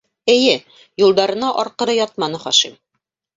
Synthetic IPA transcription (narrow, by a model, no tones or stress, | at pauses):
ɘ̆jɘ | julˠd̪ɑɾɤ̆nɑʔɒɾqɤ̆ɾɤjɒt̪̚mɑnɤχɒʃim